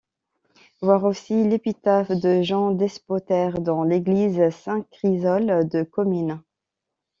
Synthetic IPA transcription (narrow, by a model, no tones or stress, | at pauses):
vwaʁosilepit̪afd̪əʒɑ̃d̪ɛspɔt̪ɛʁd̪ɑ̃leɡlizsɛ̃kχizɔld̪əkɔmyn